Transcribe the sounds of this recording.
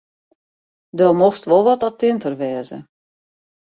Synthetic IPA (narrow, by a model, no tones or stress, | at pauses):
dɔmoxstʋolˠʋɔtatɪntərʋɛːzə̰